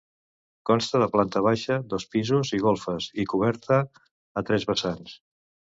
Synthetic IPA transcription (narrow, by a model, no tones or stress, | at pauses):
kɔnst̪əðəplant̪əβ̞aʃəðɔspizuziɣ̞olˠfəzikuβ̞ɛɾt̪əː | t̪ɾɛzβəsans